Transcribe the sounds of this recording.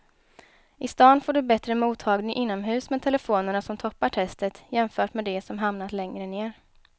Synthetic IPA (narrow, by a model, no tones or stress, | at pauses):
ʔɪst̪ɑːnfoːɖɵbɛt̪ɾəmuːt̪ʰːɑːɡnɪŋʔɪnːɔmɦʉ̟ːsmɛt̪ʰɛləfoːnəɳasɔmt̪ʰɔpːaʈʰɛst̪ət̪jɛmfœːʈmɛd̪ɛsɔmɦamnat̪lɛŋɾəneːɾ